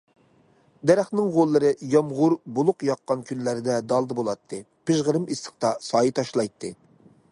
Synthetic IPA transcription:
d̪ɛɾæχnɪŋʁolˠːɨɾɨjɑmʁʊɾbolˠʊqjɑqːɑnkʲʰynlæɾɪd̪ɛd̪ɑlˠd̪ɨbolˠɑt̪ʰːɨ | pɪʒʁəɾɨmisə̥q̚t̪ɑsɑːjit̪ʰɑʃlˠɑjt̪ʰːɨ

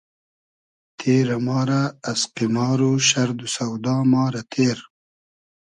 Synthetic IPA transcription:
t̪ʰeːɾamɑːɾaːsqimɑːɾuʃaɾd̪usawd̪ɑːmɑːɾat̪ʰeːɾ

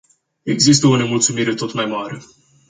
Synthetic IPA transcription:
e̞ɡzis̬t̪əone̞mult̪sumiɾe̞t̪o̞t̪majmaɾe̞

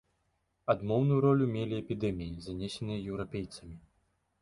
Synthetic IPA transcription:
ad̪mɔwnujuɾɔlʲumʲelʲiɛpʲid̪ɛmʲijizanʲɛsʲɛnɨjɐjɛwɾapʲejt̪sɐmʲi

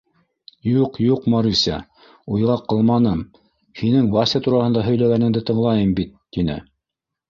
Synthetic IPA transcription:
juqjuqmɑɾisʲæ̰ | ujʁɑqɤ̆lˠmɑnɤm | hinɘŋbɑsʲɑt̪uɾɑhɤ̆nd̪ɑɦɵ̆jlæɡænɘ̆ŋd̪ɘt̪ɤ̆ɴlˠɑjɤmbit̪ːin̪ɘ̰

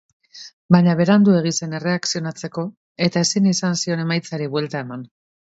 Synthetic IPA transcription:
baɲaβe̞ɾand̪ue̞ɣ̞ise̞ne̞re̞aksio̞nat͡se̞ko̞ | e̞t̪ae̞sinisansio̞ne̞majt͡saɾiβwe̞lt̪ae̞man

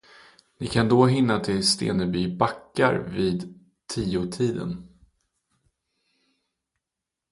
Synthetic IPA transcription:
nɪkʰand̪oːɦɪnːat̪ʰɪlst̪ḛːnəbyːbakːa̰ɾviːd̪ | t̪ʰiːʊtʰiːd̪ə̰n

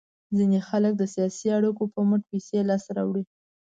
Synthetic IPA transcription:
zinexalək̚d̪əsijɑsiaɽəkopəməʈ̚piselɑsɾa̰wɽi

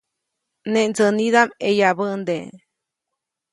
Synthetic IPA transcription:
neʔnd͡zənid̪amejaβənd̪e

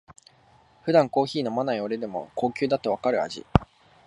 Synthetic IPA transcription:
ɸɯ̟d̪ãŋko̞ːçiːno̞manaio̞ɾe̞d̪e̞mo̞̰ko̞ːkʲɨːd̪at̪ːe̞β̞akaɾɯ̟a̰ʑḭ

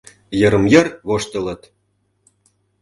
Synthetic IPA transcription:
jɤ̆ɾə̆mjɤ̆rβoʃt̪ə̆lɤ̆t̪

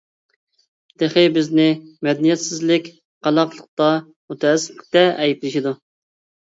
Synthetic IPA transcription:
d̪̥eχɪbɪznɪmɛd̪nijɛt̪sɪzlɪkʲ | qɑlˠɑqlˠəq̚t̪ɑ | mut̪ʰɛɛsːɪ̥pɪk̚ʲt̪ɛɛjiblɪʃid̪u

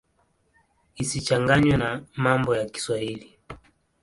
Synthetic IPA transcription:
isit͡ʃaŋɡaɲwɛnamambɔjaki̥swahili

